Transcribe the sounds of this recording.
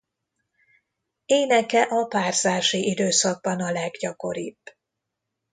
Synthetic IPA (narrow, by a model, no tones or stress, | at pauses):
eːnɛkɛʔɒpaːrzaːʃiʔid̪øːsɒɡ̚bɒnɒlɛɡɟɒko̞ɾḭb̥